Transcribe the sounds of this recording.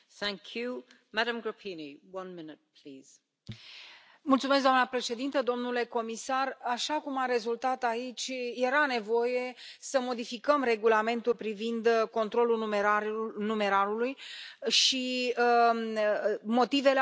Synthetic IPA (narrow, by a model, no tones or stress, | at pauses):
θæ̃ŋkʰju | madə̃mɡɹəpʰiniwʌ̃nmɪnɪt̪̚pʰliːz̥ | mult̪sumeskd̪oamnəpɾe̞ʃe̞d̪int̪əd̪o̞mnule̞ko̞misaraʃakumaɾe̞zult̪at̪ait͡ʃʲje̞ɾane̞vo̞je̞səmo̞d̪ifikəmre̞ɡulame̞nt̪ulpɾivind̪ko̞nt̪ɾo̞lumeanume̞ɾaɾulujʃi | mo̞t̪ive̞le